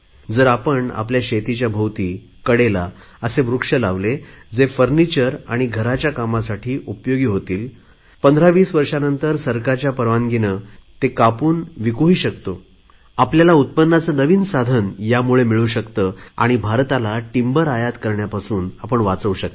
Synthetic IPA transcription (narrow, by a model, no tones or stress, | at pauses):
d͡zəɾapəɳa̰pljaɕet̪it͡ɕjabʱəwt̪iː | kəɽela | əseʋɾukʂəlaʋled͡zefəɾnit͡ɕəɾaɽ̃iɡʱəɾat͡ɕjakamasaʈʰiːʔupjoɡiːɦot̪iːl | pənd̪ʱɾaʋiːsʋəɾʂanənt̪əɾsəɾkaɾt͡ɕjapəɾʋanɡinət̪ekapuːnʋikuɦiːɕəkt̪o | apljalaut̪̚pənːat͡sənəʋiːnsad̪ʱənjamuɭemiɭuɕəkt̪əːa̰ɽ̃ibʱaɾt̪alaʈimbəɾajat̪kəɾɳjapasuːnapəɳʋat͡səuɕək̚t̪e